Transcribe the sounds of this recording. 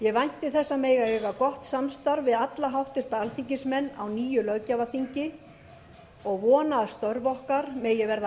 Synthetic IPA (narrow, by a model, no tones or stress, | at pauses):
jɛɣvajn̥t̪ɪθɛsːameːjɣaejɣakɔht̪samst̪aɾvɪðat̪laɦawht̪ɪɾ̥t̪aalt̪iɲcɪnsmɛnːawniːjʏlœɥcavaθiɲcɪ | ɔɣvɔːnaðst̪œɾvɔhkaɾmɛðjɛɣvɛɾða